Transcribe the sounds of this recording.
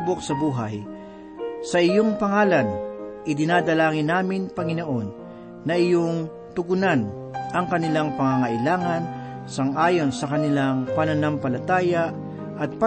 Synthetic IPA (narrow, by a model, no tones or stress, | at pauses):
bok̚sɐbuːɦaj | sɐʔɪjoŋpɐŋaːlɐnʔɪd̪ɪnad̪ɐlaːŋɪnːaːmɪnpɐŋɪnoʔo̞nː | ɐɪjoŋ | t̪ʊɡʊnan | ʔɐŋkɐnɪlaŋpɐŋaŋɐʔɪlaːŋɐn | sɐŋʔaːjo̞nsɐkɐnɪlaŋpɐnɐnampɐlɐt̪aːja | ʔɐt̪̚pa